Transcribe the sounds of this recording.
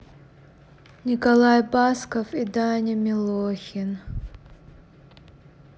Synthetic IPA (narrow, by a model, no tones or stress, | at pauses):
nʲikɐlˠajbaskɐfid̪anʲimʲɪlˠoxʲɪn